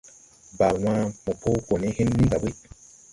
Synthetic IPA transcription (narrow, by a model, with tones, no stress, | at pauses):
ba˨wã˦mo˨pʰo˦ko˨ne˦he˦nːi˦nɡa˨bi˦